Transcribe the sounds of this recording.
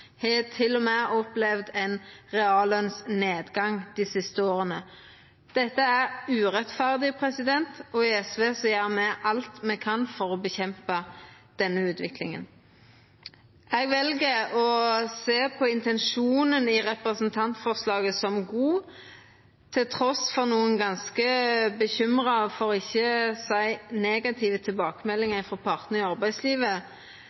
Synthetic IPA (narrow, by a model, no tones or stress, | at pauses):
hɛt̪ʰɪlːɔmeʔɔplɛʋd̪ɛnʁɛɑːlœnsneːd̪ɡɑŋd̪̥ɪsɪst̪əoːʁənə | d̪̥ɛt̪ːəæʁʉːʁɛt̪fæʁd̪ɪpʰʁɛsɪd̪ɛnt̪ɔɪɛsʋeːsɔjæːʁmɛʔɑlt̪mɛkʰɑnfɔʁɔbəçɛmpə | d̪̥ɛnːəʉːt̪ʰʋɪklɪ̰ŋə̰n | ɛɡʋɛlɡəɔseːpʰɔɪnt̪ɛnʂuːnənɪʁɛpʁəsənt̪ʰɑnt̪fɔʁslɑːɡəsɔmɡuː | t̪ʰɪlt̪ʰɾɔsfɔʁnuːənɡɑnskəbəçʏmʁɑfɔɾɔɪçːəsæɪneːɡɑt̪ʰiːʋət̪ʰɪlbɑːkəmɛlːɪŋəfɔpʰɑʁt̪nəɪɑʁbæɪsliːʋə